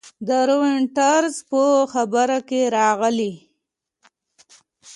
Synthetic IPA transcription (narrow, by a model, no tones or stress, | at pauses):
d̪əɾowɪɳʈaɾzpəxabəɾakeɾɑɣəli